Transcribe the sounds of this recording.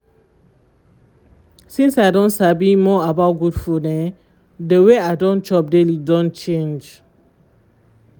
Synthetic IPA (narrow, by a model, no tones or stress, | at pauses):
sĩnsaɪdɔ̃ntsabimɔabaʊt̚ɡudfunɛ | dəweaɪdɔ̃nt͡ʃɔp̚delidɔ̃nt͡ʃẽnd͡ʒ